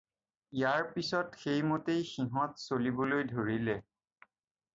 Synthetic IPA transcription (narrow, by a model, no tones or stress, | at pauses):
ijaɹpisɔtxejmotejxiɦɔ̃tsolibolojdʱoɹilɛ